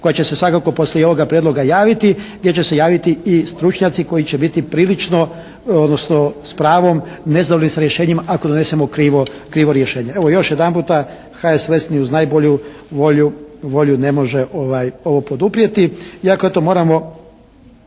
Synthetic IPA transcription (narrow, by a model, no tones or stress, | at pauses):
ko̞jat͡ɕe̞se̞sʋakako̞po̞slʲeo̞ʋoɡapɾjed̪lo̞ɡajaːʋit̪iɡd̪ʲje̞t͡ɕe̞se̞jaːʋit̪iist̪ɾut͡ʃɲat̪siko̞jit͡ɕebit̪ipɾiːlit͡ʃno̞ | od̪nosnospɾaːʋomne̞zad̪oʎenisaɾje̞ʃeːɲimaʔako̞d̪one̞se̞mokɾiːʋokɾiːʋo̞ɾje̞ʃeːɲee̞ʋojo̞ʃjed̪anmpuːt̪a | xaeslesniuznaːjboʎu | ʋo̞ʎuʋo̞ʎune̞mo̞ʒeʔo̞ʋajo̞ʋo̞po̞d̪upɾije̞t̪iiakoet̪omo̞ːɾamo̞